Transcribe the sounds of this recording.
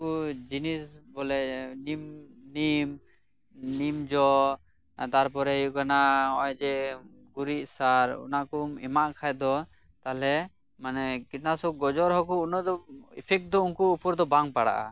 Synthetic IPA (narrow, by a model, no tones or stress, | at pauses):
ud͡ʒinisbɔlɛnimnim | nimd͡ʒɔ | t̪aɾpɔɾɛijuʔkanaɔjd͡ʒɛ | ɡuɾiʔ̚saɾṵnakumɛmaʔkʰajd̪ɔ | t̪alɛ | manɛkit̚nasɔɡɔd͡ʒɔɾɦɔkuunɔd̪ɔipʰɛk̚d̪ɔunkuːpɔɾd̪ɔbaŋpaɽa̰ʔa̰